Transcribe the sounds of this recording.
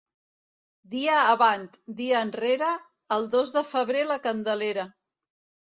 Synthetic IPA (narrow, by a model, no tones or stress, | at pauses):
d̪iəːβant̪d̪iəːnreɾəː | lˠd̪ozðəfəβɾeləkənd̪əleɾə